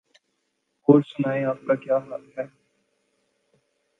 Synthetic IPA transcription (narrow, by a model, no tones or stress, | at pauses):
ɦoːɾsʊnaːẽaːp̚kakjaːɦaːt̪ɦɛː